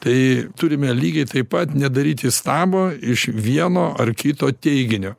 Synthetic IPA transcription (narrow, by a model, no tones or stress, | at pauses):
t̪ɐɪt̪ʊɾʲɪmʲɛlʲiːɡʲɛɪt̪ɐɪpɐt̪nʲɛd̪ɐɾʲiːt̪ʲɪst̪ɑːboːɪʃʋʲiɛnoːʔɐrkʲɪt̪oːt̪ʲɛɪɡʲɪnʲoː